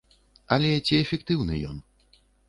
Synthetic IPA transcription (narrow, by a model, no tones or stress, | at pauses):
ɐlʲɛt͡sʲiɛfʲɛkt̪ɨwnɨ̰jɔ̰n